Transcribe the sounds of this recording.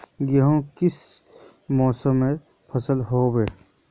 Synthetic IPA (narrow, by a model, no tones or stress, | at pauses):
jəɦõkɪs | mɔːsəmːe | pʰəsəlɦoːbe